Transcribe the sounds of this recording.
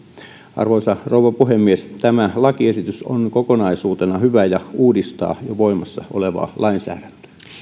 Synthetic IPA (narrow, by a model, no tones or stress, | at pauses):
ʔɑ̰rʋoisɑrouwʋɑpuɦemːiest̪æmælɑkiesit̪yso̰nkokonɑisuːt̪enɑhyʋæjɑuːdist̪ɑ̰ːjoʋoimɑsːɑʔo̰leʋɑ̰ːlʔɑinsæ̰ːdænt̪ø̥æ